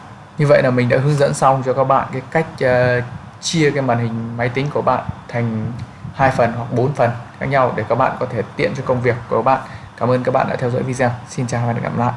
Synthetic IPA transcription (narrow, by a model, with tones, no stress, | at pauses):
ɲɨ˧və̰˧˨jlaː˨˩mï˨˩ŋɗa̰ː˧˥ɦɨ˨˦ŋzə̰˧˥nsa˧wŋ͡mt͡ɕɔ˧kaː˦˥k̚ɓa̰ː˧˨nkaː˨˦jka˦˥jk̚ː | t͡ɕi˧əkaː˨˦jɓaː˧˨˩nhï˨˩ŋ̟ma˨˦jt̪ï˨˦ŋ̟ku˧˩əɓa̰ː˧˨nt̪ʰa˨˩jŋ̟ | haː˧jfə˨˩nɦwa˨˩k̚ɓo˨˦nfə˨˩nxaː˦˥k̚ɲa˧wɗe˧˩kaː˦˥k̚ɓa̰ː˧˨kɔ˨˦t̪ʰe˧˩t̪ḭ˧˨ənt͡ɕɔ˧kə˧wŋ͡mvi˨˩əkːu˧˩ɓa̰ː˧˨nkaː˧˩mʔəː˧nkaː˦˥k̚ɓa̰ː˧˨ɗa̰ː˧˥t̪ʰɛ˧wzɔ̰ː˧˥jvi˧zɛ˧wsi˧nt͡ɕaː˨˩a˨˩ka̰ː˧˩mla̰ː˧˨jʔ